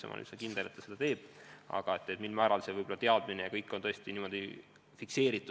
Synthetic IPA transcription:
sḛmʔɑ̰ly̰sekind̪̥ele̞t̪ːɑsed̪ɑt̪e̞ːb̥ɑ̰ɡ̥ɑe̞t̪ːˑet̪milmɑæːɾɑlse̞vɤjbo̞lːɑt̪eɑd̪̥minejɑkɤjkˑːo̞nt̪ɤesʲt̪iniːmo̞d̪̥i | fikse̞ːɾit̪ːˑu

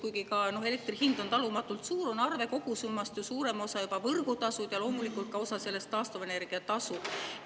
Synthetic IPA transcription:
kujɡikɑno̞ɦe̞le̞k̚t̪rihind̪o̞nt̪ɑlumɑt̪ːˑult̪suːɾonɑrve̞ko̞ɡ̥usumːɑst̪jusuːɾe̞mo̞sɑjubɑvɤrɡut̪ɑsud̪jɑlo̞ːmulikːˑult̪̚kɑo̞sɑse̞lːe̞st̪ːɑːst̪ove̞ne̞rɡ̥iɑt̪ɑsu

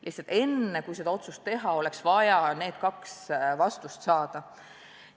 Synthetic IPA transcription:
liht̪sɑlt̪e̞nːekujse̞d̪ɑo̞t̪sust̪ːe̞ɦɑo̞leksvɑjɑne̞ːd̪̥kɑksvɑst̪ust̪sɑːd̪̥ɑ

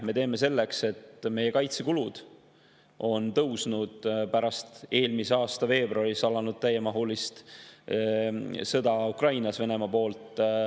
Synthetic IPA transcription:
me̞t̪e̞ːme̞se̞lːe̞kse̞t̪me̞je̞kɑjt̪sekulud̪̥ | ʔo̞nt̪ɤwsnud̪̥pæɾɑst̪e̞ːlmiseɑːst̪ɑve̞ːbruɑrisɑlɑnud̪̥̚t̪æjːemɑɦulist̪ | sɤd̪̥ɑukrɑjnɑsve̞ne̞mɑpo̞ːlt̪ˑ

